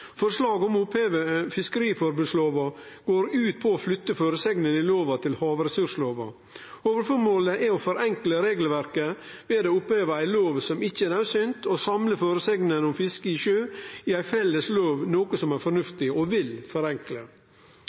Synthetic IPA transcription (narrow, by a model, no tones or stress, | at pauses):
fɔɾʂlɑːɡɔmʊpheːʋəfɪskəɾiːfɔɾbʉːd̪sloːʋɑ | ɡ̥oːɾʉːt̪̚pʰɔːflʏt̪ːəføːɾəsɛɡnənɪloːʋɑt̪ʰɪlhɑːʋɾɛsʉʂloːʋɑ̰ | oːʋəɾfɔɾmoːləʔɛɔfɔɾɛŋkləɾeːɡl̩ʋæɾkə | ʋeːd̪eːʊpheːʋəæɪloːʋsɔmɪçːəænɑʉsʏnt̪ʰosɑmləføːɾəsɛɡnənɔmfɪskəɪʃøːɪæɪfɛlːəsloːʋnoːkəsɔmæɾfɔɾnʉft̪ɪɔʋɪlfɔɾɛŋklə̰